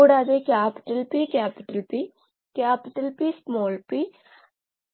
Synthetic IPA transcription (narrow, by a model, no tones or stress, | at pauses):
oːɽaːd̪eːkɛːpɪ̥ʈəlpiːkɛːpɪʈəlpiː | kɛːpɪʈəlpiːsmoːlpiː